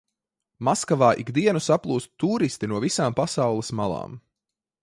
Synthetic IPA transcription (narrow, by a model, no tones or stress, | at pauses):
maskavaːʔiɡd̪iɛnusaplˠuːst̪t̪uːɾist̪inuɔvisaːmpasawlˠismalˠɑ̰ːm